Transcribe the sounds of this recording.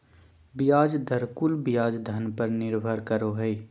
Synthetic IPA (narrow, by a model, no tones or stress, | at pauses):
bɪjaːd͡ʒd̪əɾkulbɪjaːd͡ʒd̪ʱənpəɾnɪɾbʱəɾkəɾoɦɛi